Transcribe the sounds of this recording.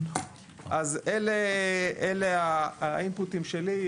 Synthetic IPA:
ʔazeleeleaimputimʃeli

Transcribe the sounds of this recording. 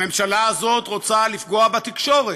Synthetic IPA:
memʃalaːzo̞t̪ʁo̞t͡salifɡo̞abat̪ikʃo̞ʁe

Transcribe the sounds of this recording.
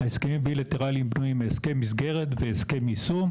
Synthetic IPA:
aeskemimbilat̪eʁalimbnuimeːskemisɡe̞ʁet̪veːskemisum

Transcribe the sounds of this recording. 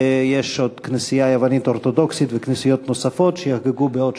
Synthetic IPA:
jeʃod̪knesijajevanit̪oɾt̪od̪oksit̪veknesijot̪nosafo̞t̪ʃejaxɡeɡubeod̥̪

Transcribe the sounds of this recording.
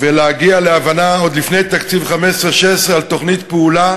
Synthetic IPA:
veleaɡialeavanao̞d̪lifne̞jt̪akt͡sivχamesʁeʃesʁealt̪o̞χnit̪peula

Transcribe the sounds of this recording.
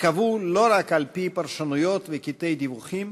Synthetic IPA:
kavulo̞ɾakalpipaʁʃanujo̞t̪vekit̪e̞jd̪ivuχim

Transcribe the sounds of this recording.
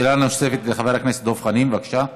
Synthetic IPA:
elanose̞fet̪leχave̞ʁaknese̥t̪̚d̪ofχanimvakʃa

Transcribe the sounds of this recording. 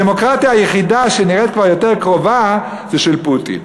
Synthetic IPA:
emo̞kʁat̪iaːjeχidaʃeniʁet̪̚kvaʁjo̞teʁkʁo̞va | zeʃelputḭn

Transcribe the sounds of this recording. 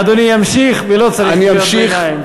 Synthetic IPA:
ad̪onijamʃiχvelot͡saʁianiamʃiχm

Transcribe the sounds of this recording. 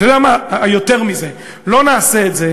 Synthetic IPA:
tod̪eamajo̞t̪e̞ʁmize | lo̞naːseːtze

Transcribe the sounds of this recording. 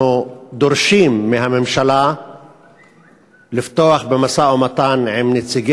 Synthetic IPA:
ud̪oɾʃimːeɦamemʃala | lift̪oaχbemasaomat̪anʕimnet͡siɡe

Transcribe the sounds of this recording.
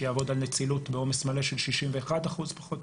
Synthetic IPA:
jaːvo̞d̪alnet͡silutbeo̞mesmaleʃelʃiʃimveːχadaχuzpḁχo̞t̪

